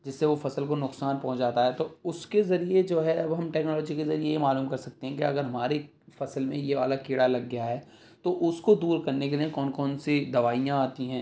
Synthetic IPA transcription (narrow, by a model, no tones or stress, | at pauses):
d͡ʒɪsːeʋofɐsəlkonʊksaːnpɐɦʊ̃t͡ʃd͡ʒaːt̪aɦɛt̪oʊskezɐɾied͡ʒoːɦɛɐbɦɐmʈɛːknɔːlɔːd͡ʒikezɐɾiejemaːluːmkɐɾsɐk̚t̪eɦɛ̃kiɐɡəɾɦɐmaːɾe | fɐsəlmḛ̃jeːʋa̰ːlakɪɽalɐɡːjaɦɛː | t̪oʔʊskod̪uːɾkɐɾnek̬eliekɔːnkɔːnsid̪ɐʋaːijãaːt̪ĩɦɛ̃ː